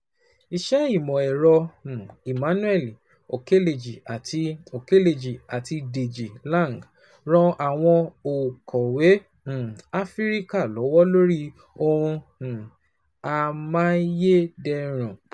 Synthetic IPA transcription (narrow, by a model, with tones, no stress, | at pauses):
i˨ʃɛ˦i˦˨mɔ̃˨ɛ˨ɾɔ̃˧˨i˨mã˨˦nũ˦ɛ˦˨li˨ | o˨ke˦le˨d͡ʒi˨a˨tʰi˧o˨ke˦le˨d͡ʒi˨a˨ti˧de˨d͡ʒi˨lã˦˨ŋɡ | ɾ̃ɔ̃˧ʔa˨w̃ɔ̃˧o˨kʰɔ˨wẽ˨˦˨ | a˦fi˦ɾi˦ka˦˨lɔ˨˦wɔ˦lo˦ɾi˦ | o˧ɾũ˧˨ | a˧mã˦je˦dɛ˧˦ɾ̃ɔ̃˨